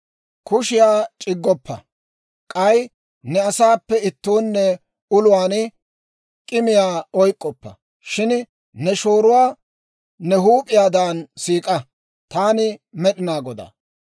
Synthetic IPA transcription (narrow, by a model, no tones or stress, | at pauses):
kʊʃɪjaːt͡ʃʼɪɡːɔpːɐ̰ | kʼɐj | nɛɐsaːpːɛɪt̪ːuːnːɛ | ʊlʊwaːn | kʼɪmɪjaːɔjkʼːɔpːɐ̰ | ʃɪn | nɛʃoːɾʊwaː | nɛɦuːpʼɪjaːd̪aːnsiːkʼɐ | t̪aːnɪmɛɗɪnaːɡɔd̪a̰